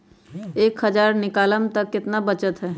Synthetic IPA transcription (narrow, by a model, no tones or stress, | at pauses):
eːkɦəd͡ʒaːɾnɪkaːləmt̪ɐkːɪt̪nabət͡ʃət̪ɦɛː